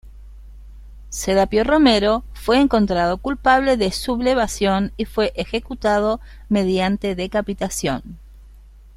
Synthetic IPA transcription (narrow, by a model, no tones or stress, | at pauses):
seɾapjoro̞meɾo̞fweːŋko̞nt̪ɾað̞o̞kulpaβ̞le̞ðesuβleβasjo̞nifwe̞ʔexekut̪að̞o̞ | me̞ðjant̪e̞ðekapit̪asjo̞̰n